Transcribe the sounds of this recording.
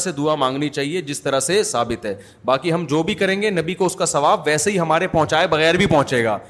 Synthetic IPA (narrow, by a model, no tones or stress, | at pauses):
sed̪uamãːŋɡnit͡ʃaːɦied͡ʒɪst̪ɐɾəsesaːbɪt̪ɦɛː | baːkiɦɐmd͡ʒoːbʱikɐɾẽːŋɡenɐbikoʊskasɐʋaːbʋɛːseɦiɦɐmaːɾepɔ̃ɦʊ̃t͡ʃaːebɐɣɛːɾbʱipɔ̃ɦʊ̃t͡ʃeːɡa̰ː